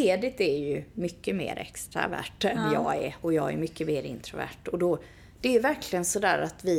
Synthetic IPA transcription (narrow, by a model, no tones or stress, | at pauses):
eːd̪ɪt̪æɾjɵmʏkːəmḛːɾʔɛkst̪ɾa̰væ̰ːʈːɛnjɑːɡɛɔjɑːɡæɾmʏkːəmeːɾɪ̰nt̪ʰɾʊvæ̰ːʈɔd̪ɔ | d̪̥ɛjɵvæɾkʰlɪɡənsɔd̪æːɾat̪vɪ